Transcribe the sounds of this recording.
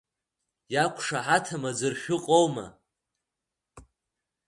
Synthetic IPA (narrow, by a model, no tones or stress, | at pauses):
jakʷʰʂaħatʰamad͡zɨrʃʷᶣʊqʼowma̰